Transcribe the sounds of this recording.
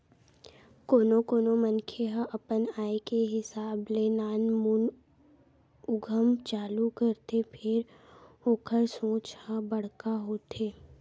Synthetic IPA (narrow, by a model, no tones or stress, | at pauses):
koːnokoːnomənkʰeɦãʔɐpənaːekeɦɪsaːblenaːnmuːn | ʊɡʱəmt͡ʃaːlukəɾt̪epʰɪɾ | oːkʰəɾsõːt͡ʃhãbɐɽ̤kaɦoːt̪ʰeː